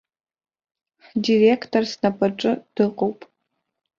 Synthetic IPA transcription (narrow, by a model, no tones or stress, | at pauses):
diːreːktʰorsnɐpʰɐʈ͡ʂʼɨd̥ɨqowpʼ